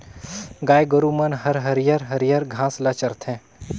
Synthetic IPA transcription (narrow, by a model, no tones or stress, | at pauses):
ɡaːjɡəɾumɐnɦɐɾɦɐɾjəɾɦɐɾjəɾɡʱãːslɐt͡ʃɐɾt̪ʰɦɛ̃ː